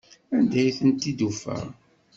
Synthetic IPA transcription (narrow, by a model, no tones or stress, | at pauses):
ænd̪æjθənt̪id̪ufæ̰ʁ